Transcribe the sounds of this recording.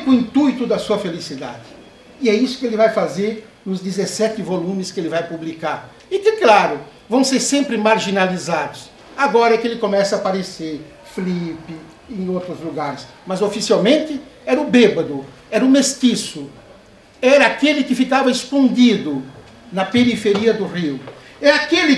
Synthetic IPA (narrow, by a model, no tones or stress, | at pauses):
kʊĩnt̪ujt̪ʊd̪ɐsuɐfelisid̪a̰d̪ɪ | ɪɛisʊ̥kɪelɪvajfazeɾ | nʊzd̪izesɛt̪ɪvolũmɪskɪelɪvajpublikaɾ | ɪkɪklaɾʊ | vɐ̃w̃seɾsẽmpɾɪmaɾʒinalizad̪ʊs | aɡɔɾɐɛkelɪkomɛsɐapaɾeseɾ | flipɪ | ẽj̃owt̪ɾʊzluɡaɾɪs | mɐzofisiawmẽnt̪ɪɛɾɐʊbebɐd̪ʊ | ɛɾɐʊmest̪isʊ | ɛɾɐakelɪkɪfikavɐɪskõnd̪id̪ʊ | nɐpeɾifeɾiɐd̪ʊriw | ɛakelɪ